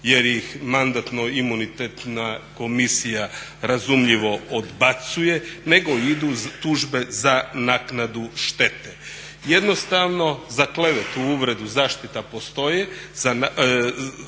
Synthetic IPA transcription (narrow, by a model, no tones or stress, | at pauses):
je̞ɾjixmand̪at̪no̞imunit̪et̪nako̞misijaɾazumʎiʋo̞od̪bat̪suje̞ne̞ɡo̞id̪ut̪uʒbe̞zanaknad̪uʃt̪e̞t̪e | je̞d̪no̞st̪aʋno̞zakleʋet̪uuʋɾe̞d̪uzaːʃt̪it̪apo̞st̪o̞jez̥a